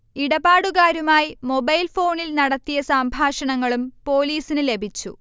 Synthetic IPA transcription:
iɽɐbaːɽuɣaːɾumaːjimo̞bɐjlfo̞ːɳilnɐɽɐt̪ːijɐsaːmbʱaːʂɐɳɐŋːɐɭumpo̞ːliːsinɨle̞bʱit͡ɕːṵ

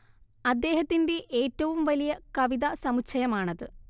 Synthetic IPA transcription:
ɐd̪ːe̞ːɦɐt̪ːinde̞ʔeːtːɐʋumʋɐlijɐkɐʋiðɐsɐmut͡ɕʰɐjɐmaːɳɐðɨ

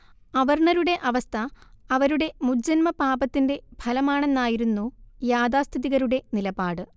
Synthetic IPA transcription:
ɐʋɐrɳɐɾuɽe̞ʔɐʋɐst̪ʰɐɐʋɐɾuɽe̞mud͡ʑɐnmɐpaːbɐt̪ːinde̞bʱɐlɐmaːɳenːaːjiɾunːujaːd̪aːst̪ʰiðiɣɐɾuɽe̞nilɐbaːɽɨ

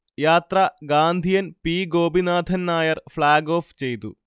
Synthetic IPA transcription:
jaːt̪rɐɡaːnd̪ʱijɐnpiːɡoːbinaːd̪ʱɐnnaːjɐrfɭaːɡo̞ːft͡ɕe̞jt̪ṵ

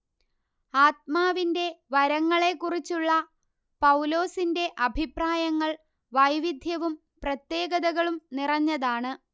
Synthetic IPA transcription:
aːt̪̚maːʋinde̞ʋɐɾɐŋːɐɭe̞kːurit͡ɕːuɭːɐ | pɐwlo̞ːsinde̞ʔɐbʱipraːjɐŋːɐɭ | ʋɐjʋid̪ʱjɐʋum | prɐt̪je̞ːɡɐðɐɣɐɭumnirɐɲːɐðaːɳɨ

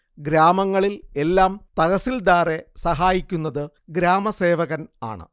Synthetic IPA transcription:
ɡɾaːmɐŋːɐɭile̞lːaːmt̪ɐɣɐsːild̪aːre̞sɐɦaːjikʲːunːɐðɨ | ɡɾaːmɐse̞ːʋɐɣɐna̰ːɳɨ̰

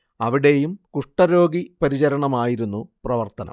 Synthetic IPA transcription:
ɐʋiɽe̞jumkuʂʈːɐɾo̞ːɡipɐɾit͡ɕɐɾɐɳɐmaːjiɾunːuprɐʋɐrt̪ɐnɐ̰m

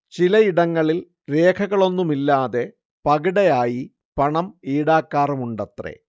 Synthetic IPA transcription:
t͡ɕilɐiɽɐŋːɐɭil | re̞ːkʰɐɣɐɭo̞nːumilːaːðe̞ | pɐɣiɽɐjaːji | pɐɳɐmiːɽaːkːaːrumuɳɖɐt̪rḛ

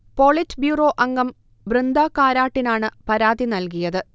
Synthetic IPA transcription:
po̞ːɭitːbjuːro̞ːʔɐŋɡɐm | ʋrɨnd̪ʱaːkaːɾaːʈːinaːɳɨpɐɾaːðinɐlkijɐðɨ

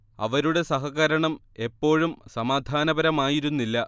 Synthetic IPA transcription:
ɐ̰ʋɐɾuɽe̞sɐɦɐɣɐɾɐɳɐm | e̞pːo̞ːɻumsɐmaːd̪ʱaːnɐbɐɾɐmaːjiɾunːilːɐ

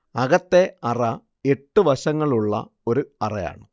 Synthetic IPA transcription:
ɐɣɐt̪ːe̞ɐrɐ | eʈːuʋɐɕɐŋːɐɭuɭːɐ̰ | o̞ɾuɐrɐja̰ːɳɨ

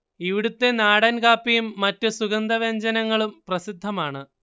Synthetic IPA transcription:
iʋiɽut̪ːe̞naːɽɐnɡaːpːijumːɐtːɨsuɣɐnd̪ɐʋe̞ɲd͡ʑɐnɐŋːɐɭumprɐsid̪ʱːɐmaːɳɨ

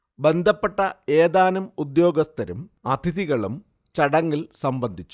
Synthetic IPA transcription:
be̞nd̪ʱɐpːeʈːɐeːd̪aːnɐmud̪jo̞ːɡɐst̪ɐɾumɐt̪ʰiðiɣɐɭum | t͡ɕɐɽɐŋːilsɐmbɐnd̪ʱit͡ɕːu̥

